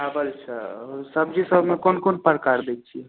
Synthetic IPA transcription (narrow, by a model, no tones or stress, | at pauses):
ɦabəlt͡ʃʰəsəbd͡ʒisəbʱmekonkonpəɾkaɾd̪ekt͡ʃʰi